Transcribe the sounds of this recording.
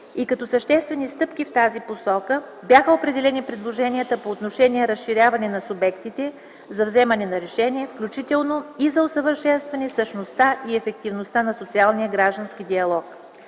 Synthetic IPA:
ikɐt̪ɔsəʃt̪ɛst̪vɛnist̪ɤpk̟ift̪aziposɔkəbʲjaxəopɾɛd̪ɛlɛnipɾɛd̪lˠoʒɛnijət̪əpoːt̪noʃɛniɛɾəsʃiɾʲjavɐnɛnɐsʊbɛkt̪it̪ɛ | zɐvzɛmɐnɛnɐɾɛʃɛniɛfklʲut͡ʃit̪ɛlˠnoizɐosəvəɾʃɛnst̪vɐnɛsəʃnost̪aʔiɛfɛk̚t̪ivnost̪anɐsot̪sialˠnijəɡɾaʒd̪ənskid̪iɐlˠɔk

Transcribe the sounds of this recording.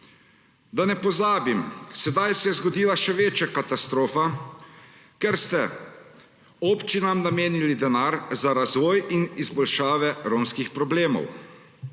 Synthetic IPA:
d̪anɛpɔzaːbimsɛd̪ajsɛjɛzɡɔd̪iːlaʃɛʋeːt͡ʃjakat̪ast̪ɾoːfa | kɛɾst̪ɛ | ɔpt͡ʃinamnameːnilid̪ɛnaːɾzaɾazʋɔːjinizbɔlʃaːʋɛɾoːmskixpɾɔbleːmɔ̰w

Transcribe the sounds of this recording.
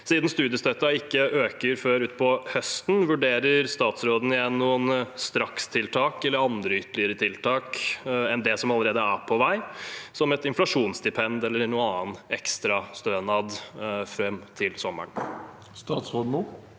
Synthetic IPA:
siːd̪n̩st̪ʉːd̪ɪəst̪œt̪ːɑɪkːəʔøːkəɾføːɾʉːt̪pʰɔhœst̪nʋʉɖeːɾəɾst̪ɑːt̪sɾoːd̪n̩ɪjɛnːuːənst̪ɾɑkst̪ʰɪlt̪ʰɑːkɛlːəɾɑnd̪ɾəʏt̪ːəlɪəɾət̪ʰɪlt̪ʰɑːkɛnd̪ɛsɔmɑlːəɾeːd̪əæpʰɔʋæɪsɔmɛt̪ɪnflɑʂuːnsd̪ɪpʰɛnd̪ɛlːəɾnuːənɑːnɛkst̪ɾɑst̪øːnɑd̪fɾɛmt̪ʰɪlsɔmːə̰ɳ | st̪ɑːt̪sɾoːd̪n̩uː

